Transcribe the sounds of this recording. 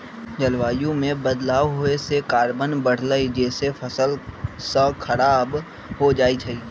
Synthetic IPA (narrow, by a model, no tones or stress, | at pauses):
d͡ʒɐlʋaːjũmẽbəd̪laːʋɦoesekaːɾbənbəɽ̤ləid͡ʒeːsefʰɐsəlsãkʰɐɾaːb | ɦod͡ʒaːit͡ʃʰɐiː